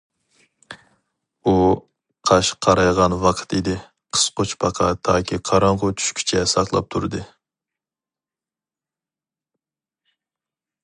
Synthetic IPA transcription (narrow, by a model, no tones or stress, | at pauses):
u | qʰɑʃqʰɑɾɑjʁɑnwɑqʰə̥t̪id̪ɪ | qʰə̥sqot͡ʃpʰɑqʰɑt̪ʰɑːkʲʰiqʰɑɾɑɴʁʊt͡ʃʰy̥ʃkʲʰy̥t͡ʃʰɛsɑχlˠɑ̰p̚t̪ʰuɾɨd̪ɨ